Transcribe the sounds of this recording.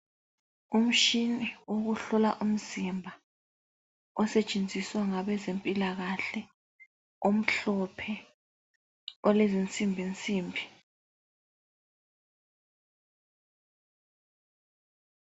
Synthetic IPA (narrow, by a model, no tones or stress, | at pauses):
um̩ʃinioɣuɬɔlaʔum̩zimbʱa | ɔsɛt͡ʃʼend͡zʱiswaŋaɓɛzempʼilaɣaɬɛ | om̩ɬɔpʰɛ | ɔlezint͡sʼimbʱint͡sʼiːmbʱi